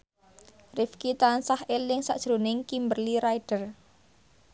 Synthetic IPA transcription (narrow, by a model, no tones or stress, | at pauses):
rɪfkit̪ansahelɪŋsa̰ʔd̥ʒ̥ɾunɪŋkimbərliɾaiɖ̥ər